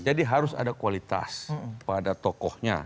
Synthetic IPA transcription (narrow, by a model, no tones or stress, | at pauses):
d͡ʒadiɦaɾʊsa̰dakuwalit̪a̰spadat̪ɔkɔhɲa̰